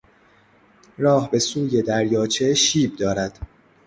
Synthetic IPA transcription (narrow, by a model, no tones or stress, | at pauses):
rɒːhbe̞suːje̞d̪æɾjɒːt͡ʃʰeʃiːb̚d̪ɒːɾæd̪̥